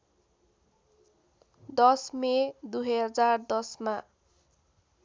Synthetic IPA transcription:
d̪ʌsmed̪uɦʌɦʌd͡zard̪ʌsma

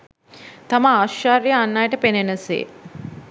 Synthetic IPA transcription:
t̪aməaːʃaːɾjəanːajəʈəpenenəsḛː

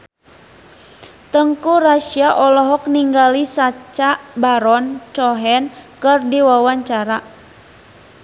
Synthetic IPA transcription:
t̪əŋkuraʃiaʔɔlɔɦɔkniŋɡalisat͡ʃaʔbaɾɔnt͡ʃɔɦɛnkɨrdiwawaɲt͡ʃaɾa

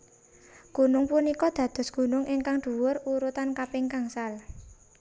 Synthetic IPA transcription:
ɡ̥ṳnʊŋpunikɔd̪̥ä̤d̪̥ɔ̤sɡ̥ṳnʊŋʔiŋkaŋɖ̪̥ṳwʊruɾut̪ankapɪŋkaŋsal

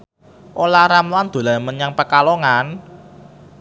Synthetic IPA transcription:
ʔolaɾamland̪̥o̤lamənjaŋpəkaloŋan

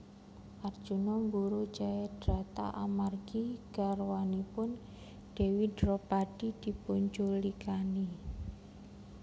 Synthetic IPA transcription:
ʔard̥ʒ̥ṳnɔmbuɾu̥d͡ʒajɛd̥ɾat̪a̰ʔa̰marɡ̥iɡ̥arwanipʊn | ɖ̥e̤widɾɔpaɖ̥i̤d̪̥i̤puɲt͡ʃulikani

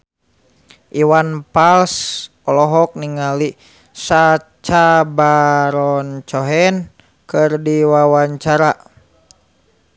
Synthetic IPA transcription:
ʔiwanpals | ɔlɔɦɔk̚niŋali | sat͡ʃabaɾɔnt͡ʃɔɦɛn | kɨrdiwawaɲt͡ʃaɾa

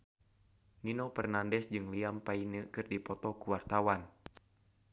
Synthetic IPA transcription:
ninɔpɛrnandɛsd͡ʒɨŋliampainəkɨrdipɔt̪ɔkuwart̪awan

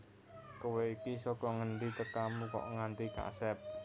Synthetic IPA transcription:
kəweikisɔkɔŋəɳɖit̪əkamukɔ̰ʔŋant̪ika̰sɛp̚

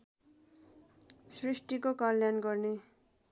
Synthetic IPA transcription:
srisʈikokʌlːjanɡʌrne

